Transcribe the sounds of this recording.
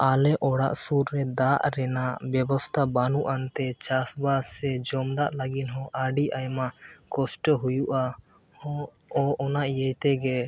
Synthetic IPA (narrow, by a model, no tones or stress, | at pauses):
alɛʔɔɽa̰ʔsuɾːɛd̪aʔɾɛnaʔbjɛbɔst̪ʰabanuʔant̪ɛt͡ʃasbasɛd͡ʒɔmd̪aʔlaɡinɦɔ̃ʔaɖiʔajmakɔsʈəɦujuʔa | ɔʔɔnaʔjəjt̪ɛɡɛ